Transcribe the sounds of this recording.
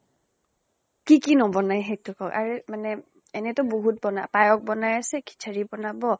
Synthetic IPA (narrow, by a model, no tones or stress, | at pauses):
kikinɔbɔnajɦejtʰʊkɔkaɹɛmanɛ | ɛnɛtɔboɦut̚bɔnapajɔk̚bɔnajasɛkʰi̥t͡ʃʰaɹibɔnabɔ